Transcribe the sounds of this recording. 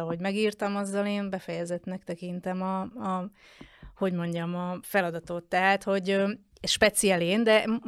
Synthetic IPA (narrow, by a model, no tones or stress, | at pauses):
ɒɦo̞ɟmɛɡiːrt̪ɒmɒzːɒleːmbɛfɛjɛzɛt̪nɛkt̪ɛkint̪ɛmɒɒ | ho̞ɟmo̞ɲɟɒmɒfɛlɒd̪ɒt̪ot̪ːɛɦaːt̪ho̞ɟø | ʃpɛt̪sijaːleːnd̪ɛ